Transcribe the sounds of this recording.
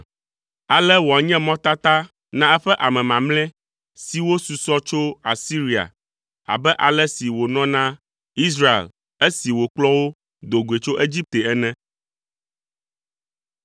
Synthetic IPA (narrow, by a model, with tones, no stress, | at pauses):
a˨lɛ˦wo˨a˨ɲɛ̃˦mɔ̃˦t̪a˦t̪a˦ | nã˦ɛ˦ɸɛ˦ʔa˨mɛ̃˨mã˨mlɛ̃˦ | si˨wo˦su˨sɔ˦t͡ʃo˦a˨si˦ɾi˨a̰˨ | a̰˨bɛ˦ʔa˨lɛ˦si˨wo˨nɔ̃˦nã˦ | i˦s̬ɾa˦ḛ˨l | e˦si˨wo˨k͡plɔ̃˦wo˦ | d̪o˨ɡu˨e˨t͡ʃo˦ʔe˦d͡ʑi˦p̚t̪e˨ɛ˦nɛ̃˦